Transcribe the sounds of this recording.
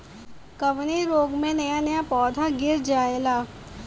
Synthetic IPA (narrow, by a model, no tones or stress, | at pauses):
kɐʋneɾoːɡmẽnɐjanɐjapɔːd̪ʱaɡɪɾd͡ʒaːelaː